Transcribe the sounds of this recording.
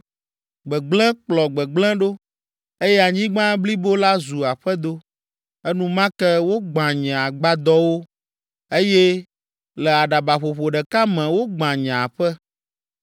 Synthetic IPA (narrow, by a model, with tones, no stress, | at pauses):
ɡ͡bɛ˨ɡ͡blɛ̃˦k͡plɔ˨ɡ͡bɛ˨ɡ͡blɛ̃˦ɖo˦ | e˦jɛ˦a˨ɲĩ˦ɡ͡bã˦bli˦bo˦la˦zu˨a˨ɸɛ˦d̪o˦ | ɛ˦nũ˦mã˦kɛ˦wo˦ɡ͡bã˨ɲɛ̃˨a˨ɡ͡ba˦d̪ɔ˦wo˦ | e˦jɛ˦ | lɛ˨a˨ɖa˨ba˨ɸo˨ɸo˨ɖɛ˨ka˦mɛ̃˨wo˦ɡ͡bã˨ɲã˨ɸɛ˦